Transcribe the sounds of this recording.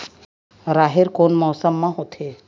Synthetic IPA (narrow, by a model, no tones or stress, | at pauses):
ɾaːɦɪɾkoːnmɔːsəmːãɦoːt̪ʰe